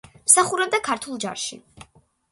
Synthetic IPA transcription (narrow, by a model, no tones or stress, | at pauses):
msaχuɾɛb̚d̪akʰaɾt̪ʰulˠd͡ʒa̰ɾʃḭ